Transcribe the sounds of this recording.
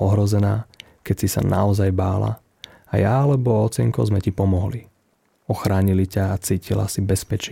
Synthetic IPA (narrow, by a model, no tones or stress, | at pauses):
ɔɦɾɔzɛnaː | kɛcsisa̰nʔa̰ɔzajbaːla̰ | ajaalɛbɔɔt͡sɛŋkɔ̰zmɛcipɔmɔɦli | ɔxɾaːɲilicaːt͡siːcila̰sibɛspɛt͡ʃ